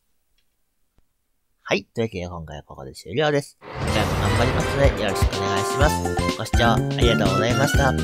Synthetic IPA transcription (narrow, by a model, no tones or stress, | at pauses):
hait̪oekʲeakõ̞ŋka̰j̰a̰ko̞̰ko̞̰d̪e̞̰ɕɨ̰ːɾʲo̞ːd̪e̞sɨ̥kamoɡãmbaɾʲimasɨno̞d̪e̞joɾo̞ɕi̥kɯone̞ɡaiɕimasɨ̥ko̞ɕi̥t͡ɕoːaɾʲiɡat̪o̞ːɡo̞zaimaɕi̥t̪a